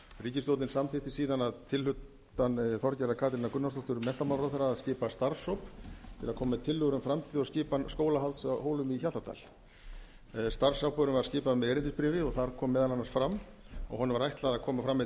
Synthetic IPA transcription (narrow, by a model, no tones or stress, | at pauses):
riːcɪst̪owt̪nɪnsamθɪht̪ɪsiːðanaðt̪ʰɪlhʏt̪ː | anθɔɾcɛɾðakʰaːt̪ɪɾɪnakʏnːast̪ɔht̪ʏɾmɛn̥t̪amaːɾaðθaɾaːðscɪːpast̪aɾsowpt̪ʰɪlakʰɔːmat̪ʰɪlːʏɣɾʏmfɾamt̪ʰɪlɔɣscɪːpanskoːwlaɦalt̪saɦoːwlʏmiçalt̪at̪ʰa̰l | st̪arsawpœɾʏmvaɾ̥scɪːpaðmɛðɛːɾɪnt̪ɪspɾɪːvɪɔɣθaɾkʰɔːmːɛːðalanːaɾsfɾamːɔ̰ɣɦɔnːʏvaɾajht̪laðaðkʰɔːmafɾamːɪ